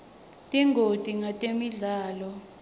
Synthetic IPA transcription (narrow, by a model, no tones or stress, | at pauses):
tʼiŋʱod̥ʱiŋatʼemiɮaːlɔ